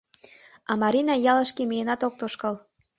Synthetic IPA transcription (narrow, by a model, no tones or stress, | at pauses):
ɑmɑɾʲinɑjɑləʃkemijenɑt̪ok̚t̪oʃkəl